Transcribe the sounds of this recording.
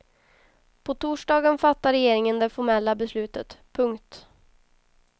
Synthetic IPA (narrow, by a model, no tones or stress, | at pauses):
pʰɔt̪ʰuːʂɖɑːɡənfat̪ːaɾɛjeːɾɪŋənd̪ɛfɔɾmɛlːabɛslʉ̟ːt̪ət̪pʰɵŋkt̪